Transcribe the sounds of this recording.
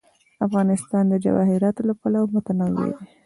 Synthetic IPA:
afɣɑnɪst̪ɑnd̪əd͡ʒa̰wɑ̰hɪɾɑt̪olapalawmat̪anawḛɾi

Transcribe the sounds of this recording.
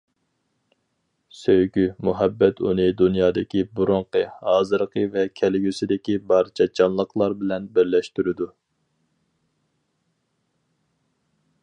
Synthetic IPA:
søjɡʲymuɦɛbːɛt̪ʰṵnɨd̪unjɑːd̪ɪkʲibuɾʊɴqəhɑːzɨɾqʰəvɛkʲʰɛlɡʲysɪd̪ɪkʲibɑɾt͡ʃʰɑt͡ʃʰɑnlˠəqlˠɑɾbɪlɛnbɪɾlɛʃt̪yɾɪd̪u

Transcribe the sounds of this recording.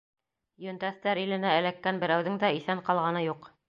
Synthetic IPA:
jɵ̆nt̪æθt̪æɾilɘ̆næ̆ːlækːænbɘ̆ɾæwðɘŋd̪æiθæɴqɑlˠʁɑnɤjuq

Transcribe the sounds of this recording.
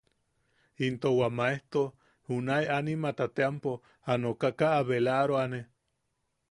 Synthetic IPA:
int̪owamaeht̪o | hunaeanimat̪at̪eampo | anokakaʔːβelaɾoane

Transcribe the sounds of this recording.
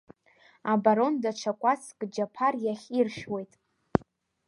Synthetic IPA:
abaɾo̞ndaʈ͡ʂʷʰakʷʼat͡skʼd͡ʒapʰarjaχʲirʃwe̞jtʼ

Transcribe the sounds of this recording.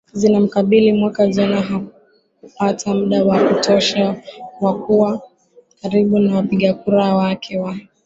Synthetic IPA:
zinam̩kaɓilimwakaʄanaɦa | upatʰam̩ɗawakutʰɔʃawakuwa | kaɾiɓunawapiɠakuɾawakʰɛwa

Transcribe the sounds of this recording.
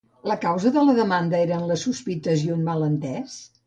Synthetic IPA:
ləkawzəðələðəmand̪əeɾəːnləsuspit̪əzjiunmalənt̪ɛs

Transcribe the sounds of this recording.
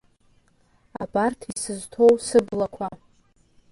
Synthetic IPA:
a̰bʼartʰisɨztʰo̞wsɨblakʷʰa

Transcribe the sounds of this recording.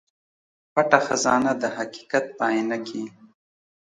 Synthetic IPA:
paʈaxazɑːnad̪əhaqi̥kat̪̚pɑːinakʰi

